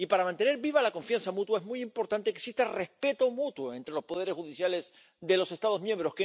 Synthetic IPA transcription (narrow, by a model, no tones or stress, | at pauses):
ipaɾamãnt̪e̞ne̞ɾβiβalako̞ɱfjansamut̪waezmujimpo̞ɾt̪ant̪ekeksist̪are̞spe̞t̪omut̪woe̞nt̪ɾe̞lo̞spo̞ðe̞ɾe̞sxuðisjale̞s | ðe̞lo̞se̞st̪að̞o̞zmjẽ̞mbɾo̞ske